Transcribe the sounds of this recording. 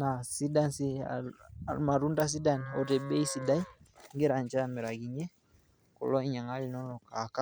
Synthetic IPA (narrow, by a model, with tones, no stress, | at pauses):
na˨si˦da˦nsi˦a̰ma˨ɾu˦nda˦s̬i˦da˦niɔ˨tɛ˨bɛ˦i˦si˨da˦i˦ŋɡe˦ɾa˨ɲd͡ʒa˦a˨me˨ɾa˨ɡi˨ɲɛ˦ | kɔ̰˨lɔ˦i˦ɲa˨ŋa˦li˨nɔ˦nɔ˨ka˨ka˦